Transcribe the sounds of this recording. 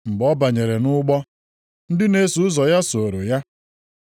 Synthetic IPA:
ŋ͡m̩˨ɡ͡bɔ˦ba˨ɲe˨ɾe˨nʊ˦ɡ͡bɔ˦ | n̩˦dɪ˦ne˦su˨˦ʊ˦zɔ˨ja˦so˨o˨ɾo˨ja˦

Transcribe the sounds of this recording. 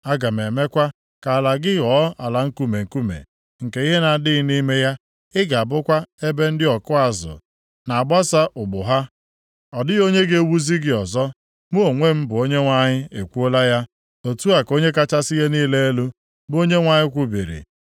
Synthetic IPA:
a˦ɡa˨m˨e˨me˦kʷa˦ | ka˨la˨ɡɪ˦ɣɔ˨˦a˨la˨ŋ̩˦ku˦me˨ŋ̩˨ku˦mḛ˨ | ŋ̩˨ke˨i˦ɦe˦na˨dɪ˦ni˦me˦ja˦ | ɪ˦ɡa˨a˨bʊ˦kʷa˦e˦be˦n̩˦dɪ˦ɔ˨kʊ˦a˨zʊ̰˨ | na˨a˨ɡ͡ba˦sa˦ʔʊ˨ɡ͡bʊ˨ɦa˦ | ɔ˨dɪ˦ɣo˦ɲe˦ɡe˦wu˦zi˦ɡɪ˦ɔ˨zɔ˦ | mu˦o˨ŋʷe˦m̩˦bʊ˨o˦ɲe˦ŋʷa˦ɲɪ˦e˨kʷu˦o˦la˦ja˦ | o˨tu˦a˨ko˦ɲe˦ka˦t͡ʃa˦sɪ˦je˦niː˦le˦e˦lu˦ | bo˦ɲe˦ŋʷa˨ɲɪ˦kʷu˦bi˨ɾḭ˨

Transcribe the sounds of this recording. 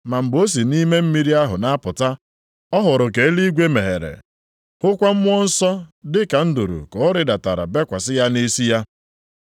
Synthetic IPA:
ma˨m̩˨bo˦s̬i˨ni˦me˦m̩˦mi˦ɾi˦a˦ɦʊ˨na˦pʊ˨ta˦ | ɔ˦ɦʊ˨ɾʊ˨ke˨˦li˦ɡʷe˦me˨ɦḛ˨ɾḛ˨ | hʊ˦kʷa˦m̩˦mʊ˦ɔ˦n̩˦sɔ˦dɪ˦ka˨n̩˦du˨ɾṵ˨kɔ˨˦ɾɪ˦da˨ta˨ɾa̰˨be˦kʷa˨sɪ˦ja˦ne˦si˦ja˦

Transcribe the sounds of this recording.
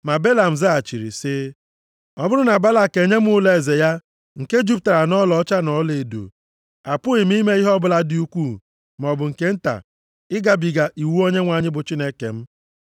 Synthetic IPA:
ma˨be˦la˨m̩˨za˦a˨t͡ʃi˨ɾḭ˨sɪ˦ | ɔ˦bʊ˦ɾʊ˦na˨ba˦la˦ke˨ɲe˦m̩˦ʊ˦le˨ze˨ja˦ | ŋ̩˨ke˦d͡ʒu˦p̚ta˨ɾa˨nɔ˦lɔ˨˦t͡ʃa˦nɔ˦le˨do̰˨ | a˨pʊ˦ɪ˨m̩˦i˦me˦i˦ɦɔ˦bʊ˦la˦dɪ˦u˦kʷu˦˨ | m˨ɔ˨bʊ˨ŋ̩˨ke˦n̩˦ta̰˨ | ɪ˦ɡa˨bi˨ɡa˨ʔi˨wu˦o˦ɲe˦ŋʷa˨ɲɪ˦bʊ˨t͡ʃi˦ne˦kḛ˨m̩˦

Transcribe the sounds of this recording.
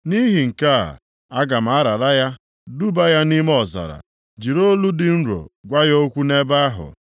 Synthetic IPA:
ni˦ɦi˨ŋ̩˨ka̰˦˨ | a˦ɡa˨m̩˨˦a˦ɾa˨ɾa˦ja˦ | du˦ba˦ja˦ni˦m˦ɔ˨za̰˨ɾa̰˨ | d͡ʒi˨ɾo˦lu˦dɪ˨n̩˦ɾo̰˨ɡʷa˦jo˦kʷu˦ne˦ba˦a˦ɦʊ̰˨

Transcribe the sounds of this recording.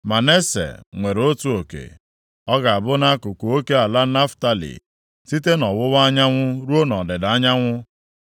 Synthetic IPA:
ma˨ne˦sḛ˨ŋʷe˨ɾo˦tu˦o˨kḛ˨ | ɔ˦ɡa˨a˨bʊ˦na˦kʊ˨kʷo˨o˦ke˦a˨la˦na˦fta˦lḭ˨ | si˦t̬e˦nɔ˨wʊ˦wa˦ɲa˦ŋʷʊ˦ɾu˦o˦nɔ˨dɪ˨da˨a˦ɲa˦ŋʷʊ˦

